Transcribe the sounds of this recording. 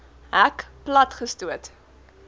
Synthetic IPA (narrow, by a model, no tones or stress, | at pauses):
ækplɐtχəstuət